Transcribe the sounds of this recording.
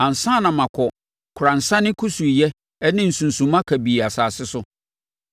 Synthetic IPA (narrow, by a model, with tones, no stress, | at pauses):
ã˨n̩˨sã˦˨nã˨mã˨kʰɔ˨ | kʰʊ˨ɾã˨n̩˨sã˦nɪ̃˦kʰu˦su˨i˨jɛ˦ | ɛ˦nɪ̃˦n̩˨sũ˨n˨sũ˨mã˦kʰæ˨bi˨a˨saː˨sɪ˦sʊ˦